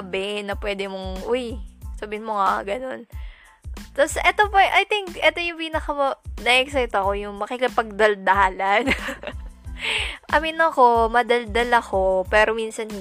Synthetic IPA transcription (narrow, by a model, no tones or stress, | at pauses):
bɪnɐpwɛːd̪ɪmoŋʔʊjsɐbɪhɪnmoŋaɡɐno̞n | t̪asʔɛt̪opɐʔajt̪ɪŋkʔɛt̪ojʊŋpiːnɐkɐmonɐʔɛksajt̪ɐko̞jʊŋmɐkɪkɪpɐɡ̚d̪ɐld̪ɐaːlan | ʔɐmɪnɐko̞mɐd̪ɐld̪ɐlɐko̞pɛːɾo̞miːnsɐnh